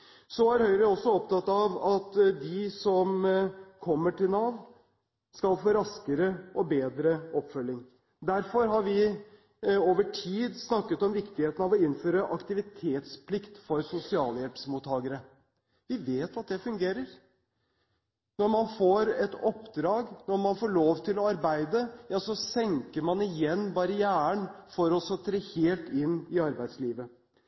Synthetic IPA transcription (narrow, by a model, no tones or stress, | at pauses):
sɔæɾhœʏɾəɔsːɔɔp̚t̪ʰɑt̪ːɑʋɑt̪d̪ɪsɔmkʰɔmːəʈɪlnɑːʋ | skɑlfoːɾɑskəɾəʔɔbeːd̪ɾəɔpːfœlːɪŋ | d̪æɾfɔɾɦɑɾʋɪ | oːʋəʈʰiːd̪snɑkːət̪ɔmʋɪkt̪ɪheːt̪ənɑʋɔɪnːføːɾəʔɑkt̪ɪʋɪt̪ʰeːt̪spʰlɪkt̪fɔɾsʊsɪɑːləjɛlpsmuːt̪ʰːɑːɡəɾə | ʋɪʋeːt̪ɑt̪̚d̪ɛfʉŋɡeːɾəɾ | nɔɾmɑnfoːɾɛt̪ɔpːd̪ɾɑːɡnɔɾmɑnfoːɭoːʋt̪ʰɪlɔɑɾbæɪd̪əjɑsɔsɛŋkəɾmɑnɪjɛnːbɑɾəjæːəɳfɔɾɔsɔt̪ʰɾeːheːlt̪ɪnːɪɑɾbæɪd̪sliːʋə